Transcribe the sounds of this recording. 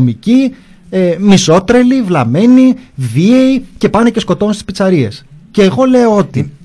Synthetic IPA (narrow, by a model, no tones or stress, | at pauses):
mici | emiso̞t̪ɾe̞livlɐme̞nivieice̞pɐnece̞sko̞t̪o̞nst̪i̥spit͡sɐɾie̞sce̞ːɣo̞le̞oo̞t̪i